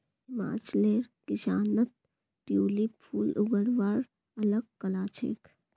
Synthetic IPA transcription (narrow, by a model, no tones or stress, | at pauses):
ɪma̰ːt͡ʃleːɾkɪʃaːnət̪̚ | ʈjuːlipʰuːlʔʊɡəɾʋaːɾ | ɐləɡ̚kɐlaːt͡ʃʰḛːk